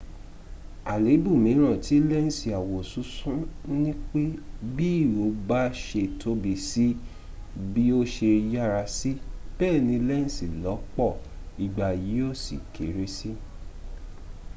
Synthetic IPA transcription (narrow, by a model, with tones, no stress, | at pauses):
a˨le˨˦bu˦˨mĩ˨˦ɾ̃ã˦˨ti˨˦lɛ˦n̩˦si˨a˨wo˨su˨˦sũ˦nĩ˦k͡pe˦bi˦˨wo˨˦ba˦ʃe˧˨tʰo˦bi˧˨si˦ | bi˦o˦ʃe˧ja˦ɾa˧si˦b̥ɛː˦˨nĩ˧lɛ˦n̩˦si˦˨lɔ˨˦k͡pɔ˦˨i˨ɡ͡ba˨ji˨˦o˦˨sḭ˨kʰe˨˦ɾe˦si˦